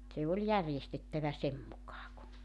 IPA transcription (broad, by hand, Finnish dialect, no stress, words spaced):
se olʲ jærjestetːæʋæ sem mukɑː ku